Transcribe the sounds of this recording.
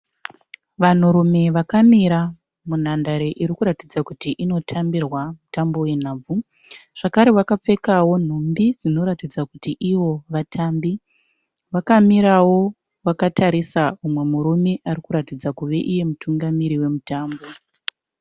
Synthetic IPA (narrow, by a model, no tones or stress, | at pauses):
ʋan̤uɾume̞ʋakamiɾa | mun̤andaɾeʔiɾikuɾatid͡zakutiʔino̞tʰambirwamutambo̞we̞n̤aːb͡vu | ʐ̥akaɾe̞wakap͡fe̞kawo̞n̤umbid͡zino̞ɾatid͡zakutiʔiʋo̞ʋatʰambi | ʋakamiɾawo̞ | wakataɾisaumwe̞muɾume̞ʔarikuɾatid͡zakuʋe̞ʔije̞mutʰuŋɡamiɾiwe̞mutaːmbo̞